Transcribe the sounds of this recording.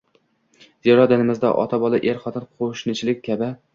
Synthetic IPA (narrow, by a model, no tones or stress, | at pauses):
zeɾɒd̪ɪnɪmɪzd̪a̰ʔɒ̰t̪ʰabɒlˠaʔeɾχɒt̪ɪnqʰoʃnɪt͡ʃʰɪlɪk̚ʲʰːabɪ